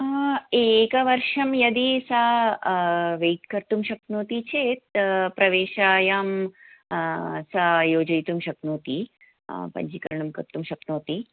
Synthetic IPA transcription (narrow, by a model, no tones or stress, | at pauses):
ekɐʋɐɾʃɐmjɐd̪isa | ʋeːʈkɐɾt̪umʃɐk̪̚nuːt̪it͡ʃʰet̪̚pɾɐʋeːʃaːjaːm | sajoːd͡ʒɐjt̪umʃɐknuːt̪i | pɐ̰ɲd͡ʒikɐ̰ɾɳɐmkɐ̰ɾt̪umʃɐknoːt̪i